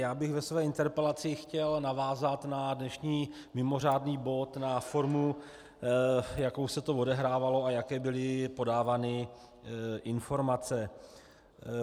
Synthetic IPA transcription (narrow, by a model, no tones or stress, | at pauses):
jaːbɪɣvɛsvɛːɪnt̪ɛɾpɛlat͡sɪxcɛlnavaːzat̪nadnɛʃɲiː | mɪmo̞r̝aːdniːbo̞t̪nafo̞ɾmu | jako̞wsɛt̪ovo̞dɛɦɾaːvalo̞ajakɛːbɪlɪpo̞daːvaːnɪ | ʔɪnfo̞ɾmat͡sɛ